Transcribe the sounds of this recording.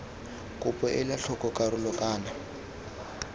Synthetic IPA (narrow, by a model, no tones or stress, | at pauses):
kʼʊpʼɔʔɪlaɬʰɔkʼɔkʼaɾʊlɔkʼaːna